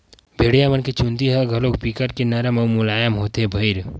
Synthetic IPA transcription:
bʱeːɽijamɐnket͡ʃũnd̪iɦɐɡʱɐloːk̚pikəɾkenɐɾəmɐmulaːjəmɦoːt̪ɦebʱɐɪɾ

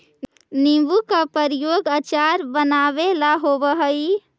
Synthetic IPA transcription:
nibukapəɾijoɡat͡ʃaɾbənabelaɦobəɦəj

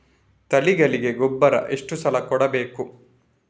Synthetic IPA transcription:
t̪ɐliɡɐliɡe̞ɡɔbːɐɾɐ̰ʔe̞ʂʈusɐlɐkɔɽɐbeːku

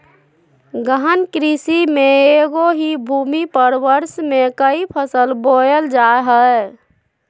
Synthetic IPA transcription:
ɡəɦənkɾisimeeɡoɦibʱumipəɾʋəɾsmekəipʰəsəlboəld͡ʒaɦə

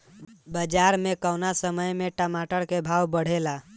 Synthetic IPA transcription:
bəd͡ʒaɾmekəʊnasəməjmeʈəmaʈəɾkebʱawbəɽ̤ela

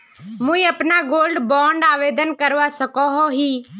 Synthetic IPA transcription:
mũĩəpnaɡoːlɖbɔ̃ːɳɖaːʋeːd̪ənkəɾʋasəkoɦoɦiː

